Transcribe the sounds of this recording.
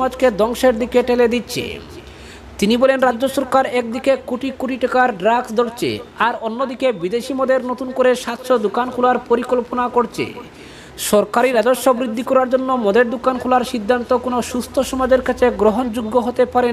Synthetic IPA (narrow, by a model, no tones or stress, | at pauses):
ad͡ʑked̪ɔŋʃeɾd̪ikeʈeled̪itːɕʰḛ | t̪inibɔlenɾadːoʃɔɾkaɾɛk̚d̪ikekoʈikoʈiʈakaɾɖɾaksd̪oɾt͡ɕʰḛaɾonːod̪ikebid̪eʃimɔd̪eɾnot̪unkoɾeʃat̪ʃod̪ukankʰulaɾpoɾikolponakoɾt͡ɕʰḛ | ʃɔɾkaɾiɾad͡ʑoʃːobɾid̪ʱːikɔɾaɾd͡ʑonːomɔd̪eɾd̪ukankʰulaɾʃid̪ʱːant̪okonoʃust̪ʰoʃɔmad͡ʑeɾkat͡ɕʰeɡɾoɦond͡ʑuɡːoɦot̪epaɾe